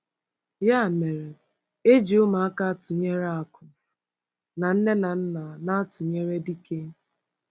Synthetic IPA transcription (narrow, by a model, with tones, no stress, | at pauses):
ja˦˨me˨ɾe˨ | e˦d͡ʒi˨ʊ˦ma˨a˦ka˦a˦tʊ˨ɲe˦ɾa˨kʊ˨ | na˨n̩˦ne˦na˨n̩˦na˨na˦a˦tʊ˨ɲe˦ɾe˦di˦ke˦